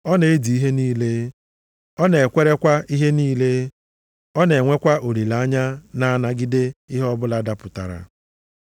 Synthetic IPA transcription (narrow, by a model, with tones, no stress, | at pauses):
ɔ˦ne˨e˦di˨i˦ɦe˦niː˦le˦ | ɔ˦ne˨e˨kʷe˦ɾe˦kʷa˦i˦ɦe˦niː˦le˦ | ɔ˦ne˨ŋʷe˦kʷa˦ʔo˨ɾi˨la˨˦ɲa˦na˦a˦˨na˨ɡɪ˦de˦i˦ɦɔ˦bʊ˦la˦da˦pʊ˨ta̰˨ɾa̰˨